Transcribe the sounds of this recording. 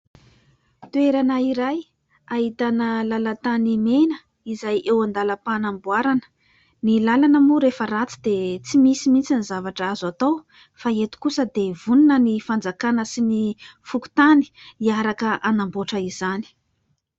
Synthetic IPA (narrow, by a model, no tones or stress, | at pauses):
t̪ueɾanəiɾaj | aɦit̪anəlalat̪animenə | izajʔewand̪aləpanambuaɾanə̥ | nilalanəmuɾefəɾat͡sid̪et͡simisimint͡sinizavaʈ͡ʂazat̪ow | faet̪u̥kusəd̪evununənifand͡zakanəsinifuku̥t̪ani̥iaɾakəʔanamboʈ͡ʂəiz̥ani̥